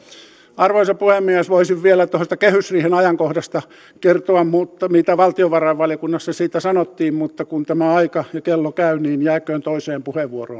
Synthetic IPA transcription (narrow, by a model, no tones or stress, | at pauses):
ɑrʋoisɑpuhemːiæsʋoisiʋʋielæt̪ohost̪ɑkehysriːhenɑjɑŋkohdɑst̪ɑ | kert̪oɑmmut̪ːɑmit̪æʋɑlt̪ioʋɑrɑiʋʋɑljokunːɑsːɑsiːt̪æsɑnot̪ːiːmmut̪ːɑkunt̪æmæɑikɑjɑkelːokæyniːnjæːkøːnt̪oiseːmpuheʋʋuoro̰ːn